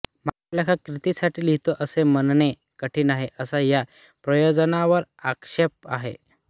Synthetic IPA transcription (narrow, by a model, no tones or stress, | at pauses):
maklakʰakɾit̪isaʈiːlɦit̪oʔəsemənɳe | kəʈʰiːnaɦeʔəsaja | pɾəjod͡zənaʋəɾakʂep̚a̰ɦḛ